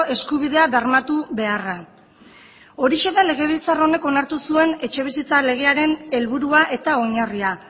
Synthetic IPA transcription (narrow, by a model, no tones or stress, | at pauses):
e̞skuβiðe̞aβeɾmat̪uβe̞ara | o̞ɾiʃe̞ðale̞ɣ̞e̞β̞ilt͡saro̞ne̞ko̞naɾt̪usue̞ne̞t͡ʃe̞β̞isit͡sale̞ɣ̞e̞aɾe̞ne̞lβuɾuaʔe̞t̪ao̞ɲaria